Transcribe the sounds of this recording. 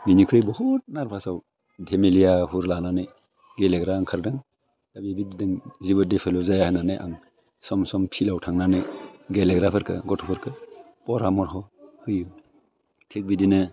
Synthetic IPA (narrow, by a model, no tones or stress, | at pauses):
minikʰɾɯjbɔhɔt̚naɾpʰasaw | dʱemilijahuɾlananɯj | ɡeleɡɾaːŋkʰaɾdɯŋ | dabibididɯŋzibɯdepʰalɔzajahajnanɯjʔa̰ŋ | sɔmsɔmpʰilawtʰaŋnanɯjɡeleɡɾapʰɯɾkʰɯ̰ɡɔtʰɔpʰɔɾkʰɯ | pɔɾamɔɾɦɔhɯjɯ | tʰik̚bidinɯ